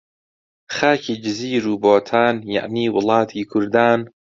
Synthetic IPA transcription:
xaːkʰiːd͡ʒɪziːɾuːboːt̪ʰaːnja̰ʕniːwʊlɑːt̪ʰiːkʰʊɾd̪aːn

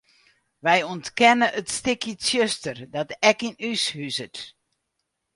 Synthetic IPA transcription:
ʋɛjɔntkɛnəʔətstɪkjəsjøstərdɔtɛkinyshysət

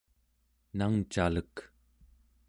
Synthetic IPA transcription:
naŋt͡ʃalək

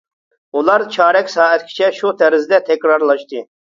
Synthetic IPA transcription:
ulˠɑɾt͡ʃʰɑːɾɛkʲsɑːɛt̪kʲʰi̥t͡ʃʰɛʃut̪ʰɛɾɪzd̪ɛt̪ʰɛkʲɾɑɾlˠɑʃt̪ɨ

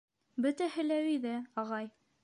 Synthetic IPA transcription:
bɵ̆t̪æhɘ̆læwiðæɑʁɑj

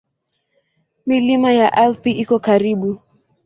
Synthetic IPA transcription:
milimajaʔɛlpiikɔkaɾiɓu

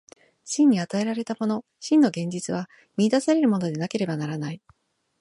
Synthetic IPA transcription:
ɕĩɲ̟ːiat̪ae̞ɾaɾe̞t̪amo̞no̞ | ɕĩnːo̞ɡẽ̞ɲ̟d͡ʑit͡sɨβ̞a | mʲiːd̪asaɾe̞ɾɯ̟mo̞no̞d̪e̞nake̞ɾe̞banaɾanai

